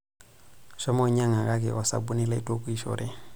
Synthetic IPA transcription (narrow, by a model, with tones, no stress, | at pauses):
ʃɔ˦mɔ˦ɲa˦ŋa˨ka˦k̬ɛ̰˨ʔɔ˨sa̰˨bu˦ni˦la˦ḭ˦tʼo˦ku˦i˦ʃɔ̰˨ɾɛ˦